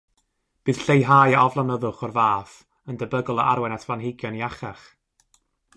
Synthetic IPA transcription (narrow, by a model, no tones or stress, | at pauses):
b̥ɨːð̥ɬejɦaːjaɔvlˠanəðʊχɔrvaːf | əndəbəɡɔlˠəʔaɾwɛnatʰvanɦɪɡjɔniaχaχ